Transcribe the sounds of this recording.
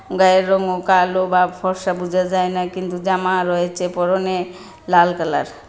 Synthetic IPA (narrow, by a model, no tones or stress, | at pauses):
ɡaɾːɔŋɡokalobapʰɔɾʃabud͡ʒʱad͡ʒajnakint̪ud͡ʒamaɾɔɦet͡ʃʰepɔɾone | lalkəla̰ɾ